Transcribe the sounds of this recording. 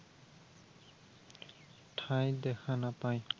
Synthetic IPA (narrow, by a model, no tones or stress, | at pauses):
ʈʰajd̪ɛkʰanapaj